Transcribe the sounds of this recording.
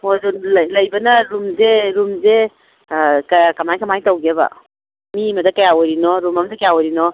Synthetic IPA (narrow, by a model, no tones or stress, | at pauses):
mozunllɐjbɐnɐɾumzeɾumze | kkɐmajkɐmajtawɡebɐ̰ | mimɐdɐkɐjaɔjɾinɔɾumamɐdɐkajawɔjɾinɔ